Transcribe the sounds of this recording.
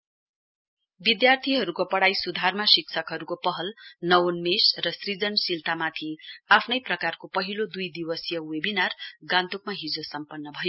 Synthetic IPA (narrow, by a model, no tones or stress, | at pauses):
bid̪jart̪ʰiɦʌɾukopʌɽajsud̪ʱarmasiksʰʌkɦʌɾukopʌɦʌlnʌwonmesrʌsrid͡zʌnsilt̪ʰamat̪ʰiapʰnʌjprʌkarkopʌɦilod̪ujd̪iwʌsjʌwebinarɡãnt̪uk̚maɦid͡zosʌmpʌnːʌbʱʌjo